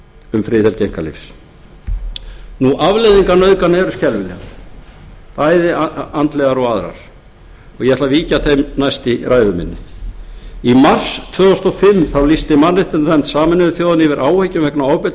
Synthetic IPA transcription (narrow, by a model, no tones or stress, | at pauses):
ʏmfɾɪːθɛlcejŋ̥kalḭfs | nuʔavlɛðiŋkanœðkanɛɾʏscɛlvʏlɛ̰ | pajðɪant̪lɛɣaɾɔɣaðɾa̰ɾ̥ | ɔjɛɛt̪laviːcaθejmnajst̪iɾaːjðʏmɪ̰nːɪ | imar̥st̪ʰvœːɔst̪ɔfɪmːθawlist̪ɪmanːɪht̪ɪnɾɛmt̪saːmɪnɪɪθjoːwðɪnɪvɪɾʔaːwhejcɪmvɛknawaːwpɪ